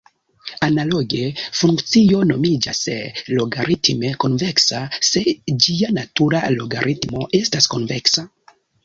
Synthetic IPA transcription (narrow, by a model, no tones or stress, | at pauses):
analo̞ɡe̞fuŋkt͡sio̞no̞mid͡ʒaslo̞ɡaɾitme̞konveksase̞d͡ʒianatuɾalo̞ɡaɾʔitmo̞e̞staskonveksa